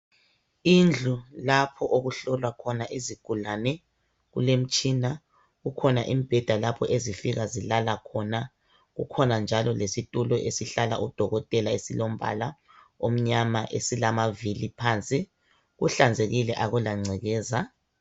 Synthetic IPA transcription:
ind͡ɮʱulapʰɔʔoɣuɬɔlwakʰɔnaʔiziɡ̥ʱulanɛ | ɣulem̩t͡ʃʼina | ɣukʰɔnaʔimib̥ʱɛd̥ʱalapʰɔʔezifiɣazilalakʰɔna | ɣṵkʰɔnand͡ʒʱalɔlesitʼulɔʔesiɬala̰ʔud̥ʱɔɣɔtʼɛlaesilom̩bʱa̰la | om̩ɲamaʔesilamavilipʰaːnt͡sʼi | ɣṵɬand͡zʱeɣilɛʔaɣulaŋ͡ǀʱɛɣɛːza

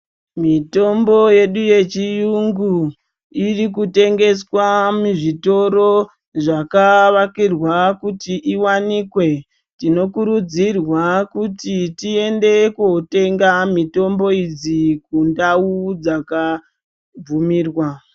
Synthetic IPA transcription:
mito̞mbo̞je̞ɗuje̞t͡ʃijuŋɡu | irikute̞ŋɡe̞swamuʐito̞ɾo̞ | ʐakaʋakirwakutiʔiwanikwe̞ | tino̞kuɾud͡zirwakutitie̞nde̞kute̞ŋɡamito̞mbo̞id͡zikundaud͡zaka | b͡vumiːrwa

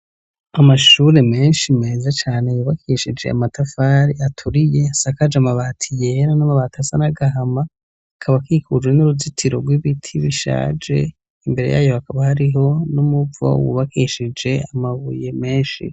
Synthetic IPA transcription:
amaʃuɾe̞me̞ːnʃime̞ːzat͡ʃaːnejuβakʰiʃid͡ʒe̞̰a̰matafaɾiatʰuɾije̞asakad͡ʒamaβaːtʰije̞ɾanamaβaːtʰasanaɡaɦamaː | kʰaβakiːkud͡ʒwenuɾuzitʰiɾoɡwiβitʰiβiʃa̰ːd͡ʒe̞̰ | imbe̞ɾe̞ja̰ːjo̞akaβahaɾiɦo̞numuvo̰wṵβakiʃid͡ʒe̞amaβuje̞me̞ːnʃḭ

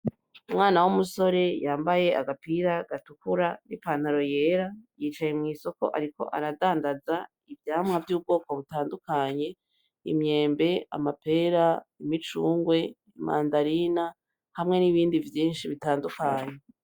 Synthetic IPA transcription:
umŋaːnawumuso̞ɾe̞jaːmbaje̞ʔaɡapiɾaɡ̥atukuɾanipaːn̥haɾo̞je̞ːɾajiːt͡ʃajemŋiːso̞ko̞̰ʔaɾiko̞̰ʔa̰ɾadaːndaza | ivjaːmŋavjuːb̚ɡo̞ːko̞βutaːndukaɲe̞ | ḭmɲe̞ːmbe̞a̰mape̞ɾaimit͡ʃuːŋɡwe̞ | imʔa̰ːndaɾina | hamŋe̞niβiːndivjiːnʃiβitaːndukaɲe̞

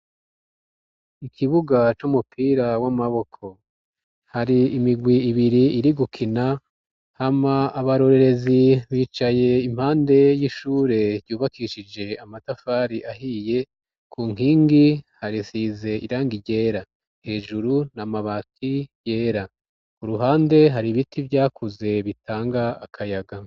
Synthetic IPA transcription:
ikʰiβuɡat͡ʃumupʰiːɾawamaβo̞kʰo̞ | haɾiimiɡwiːβiɾiiɾiɡukʰina | hamaaβaɾo̞ɾe̞ɾe̞ziβiːt͡ʃaje̞im̥haːnde̞jiʃuːɾe̞ɾɟuːβakʰiʃid͡ʒe̞amatafaːɾiʔahije̞ | kʰuːŋ̥iːŋɡihaɾisiːze̞iɾaːŋɡiɟe̞ːɾa | he̞ːʒuɾunamaβatʰijeːɾa | uɾuɦaːnde̞ɦaɾiβitivjaːkuze̞βitʰaːŋɡaːkʰajaɡa

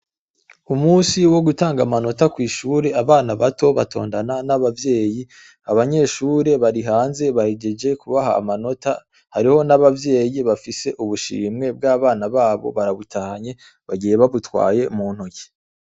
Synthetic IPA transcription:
umuːsiwo̞ɡutaːŋɡamano̞takwiːʃuːɾe̞aβaːnaβato̞βatʰo̞̰ːndananaβavje̞ːji | aβaɲe̞ːʃuɾe̞βaɾiɦaːnze̞βaheɟe̞d͡ʒe̞kuβaɦa̰ːmano̞ta | haɾiho̞naβavje̞ːjiβafise̞ʔuβuʃḭːmŋe̞b̚ɡaːβaːnaβaːβo̞̰βaɾaβutahaɲe̞ | βaɟije̞βaβutkwa̰ːje̞muːn̥hoɟi̥

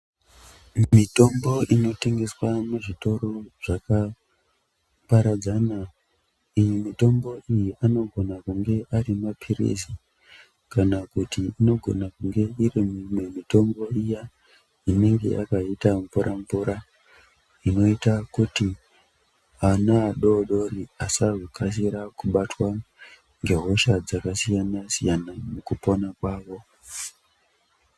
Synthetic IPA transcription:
mito̞mbo̞ʔino̞te̞ŋɡe̞swamuʐito̞ro̞ʐ̥aka | paɾad͡zana | ijimito̞mbo̞ʔijiʔano̞ɡʱo̞nakuŋɡe̞ʔarimapʰirḛsi | kanakutiino̞ɡʱo̞̰nakuŋɡe̞irimumwe̞mito̞mbo̞ija | ine̞ŋɡe̞̰jʔa̰kaitamvuɾʔaɱvuɾa | ino̞itakuti | anaːɗo̞ɗo̞riasarukʰas̬iɾakuɓatwa | ŋɡe̞ɦo̞ʃad͡zakasijanasijanamukupo̞nakwaːʋo̞

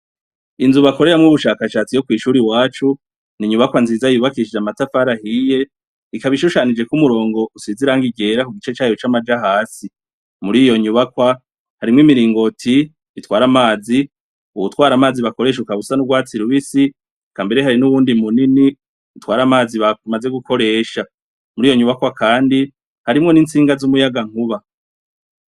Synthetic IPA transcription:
inzuβako̞ɾeɾamŋuβuʃaːkaʃaːt͡sijo̞kwiːʃuːɾiwaːt͡ʃu | niɲuβakwanziːzajuβakiʃid͡ʒamatafaɾahije̞ | ikaβiʃuʃanid͡ʒe̞kumuɾo̞ːŋɡo̞usiziɾaŋɡiɡe̞ɾakuɡit͡ʃe̞t͡ʃaːjot͡ʃamad͡ʒaɦaːsi | muɾijo̞ɲuβakwa | haɾimŋimiɾiːŋɡo̞tʰi | itwaːɾamaːzi | uβutwaːɾamaːziβako̞ɾe̞ːʃukaβusanuɡwaːt͡siɾuβisi | kaːmbe̞ɾeɦaɾinuβuːndimunini | utwaːɾamaːziβamaze̞ɡukʰo̞ɾe̞ːʃa | muɾiːjo̞ɲuβakwakʰaːndi | haɾimŋo̞niːnt͡siːŋɡazumujaɡaŋ̥uβa

